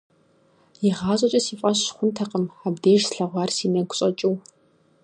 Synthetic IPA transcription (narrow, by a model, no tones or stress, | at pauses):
jiʁaːɕʼɐt͡ʃʼɐsiːfʼɐɕχʷʊntʰɐqəmabdeːʒsɬɐʁʷɑːrsiːnɐkʷʊ̥ɕʼɐt͡ʃʼɪw